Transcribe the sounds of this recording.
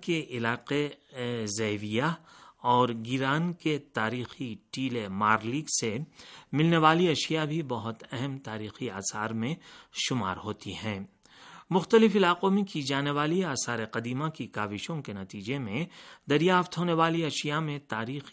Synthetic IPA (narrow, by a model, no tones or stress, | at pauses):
keʔɪlaːqe | zɛɦʋijaɔːɾɡɪɾaːnket̪aːɾiːxiʈiːlemaːɾliːɡsemɪlneʋaːliɐʃijabʱibɐɦʊt̪ɛɦɛmt̪aːɾiːxiaːsaːɾmẽʃʊma̰ːɾɦoːt̪iɦɛ̃ː | mʊxt̪əlɪfɪlaːqõmẽkid͡ʒaːneʋaːliaːsaːɾeqɐd̪iːmakikaːʋɪʃõkenɐt̪iːd͡ʒemẽd̪ɐɾjaːft̪ɦoːneʋaːliɐʃijamẽt̪aːɾiːx